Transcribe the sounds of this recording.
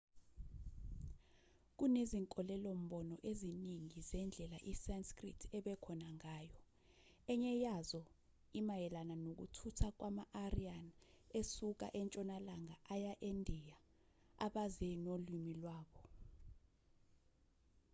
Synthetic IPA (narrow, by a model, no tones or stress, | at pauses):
k̬uneziŋkʼɔlɛlom̩ɓɔnɔʔeziniŋizɛnd͡ɮʱɛlaʔisenskrḭtʰɛɓɛkʰɔnaŋaːjɔ | ɛɲɛjazɔ | imajɛlananok̬ṵtʰutʰak̬wʔamaʔarianesuk̬a̰ʔɛnt͡ʃʼɔnalaŋaʔajaʔendʱija | aɓazɛnolimilwaːɓɔ